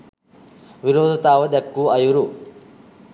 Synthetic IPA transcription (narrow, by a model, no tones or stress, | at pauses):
ʋiɾoːd̪ʱɐt̪aːʋɐd̪ɐkːuɐjuɾu